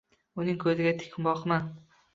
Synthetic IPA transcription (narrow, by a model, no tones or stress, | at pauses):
ʊnɪŋkʰɵzɪɡʲat̪ʰɪ̥kʲʰɪmbɒqman